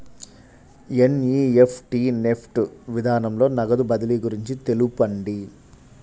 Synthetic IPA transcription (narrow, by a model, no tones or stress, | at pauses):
eniːepʰʈiːnepʰʈʋid̪ʱaːnɐmlo̞ːnɐɡɐd̪ubɐd̪ɐliɡuɾiɲt͡ʃit̪e̞lupɐɳɖi